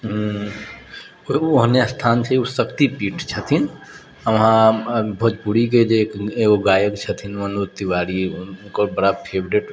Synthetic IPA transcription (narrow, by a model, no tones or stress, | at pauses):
ɦ | oɦnast̪ʰaːnt͡ʃʰəusəkt̪ipiːʈt͡ʃʰət̪ʰin | əʋɦãbʱɔːt̪buɽiked͡ʒekeɡoɡaːjəkt͡ʃʰət̪ʰinʋənut̪iwaːɾinnkəbəɽapʰebɾeʈ